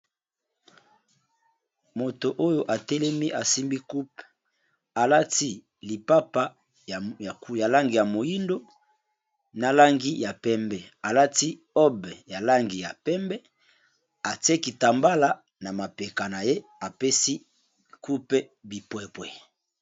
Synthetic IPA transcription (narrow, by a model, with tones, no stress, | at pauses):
mo˨to˨ʔo˦jo˨ʔa˨tɛ˦lɛ˦mi˦ʔa˨si˦mbi˦ku˦p | a˨la˦ti˦ | li˨pa˦pa˦˨ | kja˨la˦ŋɡi˨ja˨mo˨ji˦ndo˦ | na˨la˦ŋɡi˦ja˨pɛ˦mbɛ˨a˨la˦ti˦ | ɔ˦bɛ˨ja˨la˦ŋɡi˨ja˨pɛ˦mbɛ˦ | a˨te˦ki˨ta˨mba˦la˦ | na˨ma˨pe˨ka˨na˨je˦a˨pe˦si˦ | ku˦pɛ˦bi˨pwɛ˦˨pwɛ˨